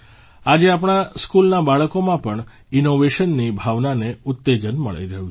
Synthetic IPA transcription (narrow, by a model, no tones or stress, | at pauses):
ad͡ʒeapɳ̃askulnabaɭəkomãpəɳ | ɪnoʋeʃənːibʱaʋnaneʊt̪ːed͡ʒənmə̰ɭə̰jɾəɦũ